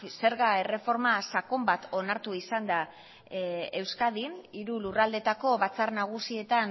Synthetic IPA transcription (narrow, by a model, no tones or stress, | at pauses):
se̞ɾɣae̞re̞fo̞ɾmasako̞mbat̪ʰo̞naɾt̪uisand̪a | e̞wskaðiniɾulurald̪e̞t̪ako̞βat͡saɾnaɣ̞usie̞t̪an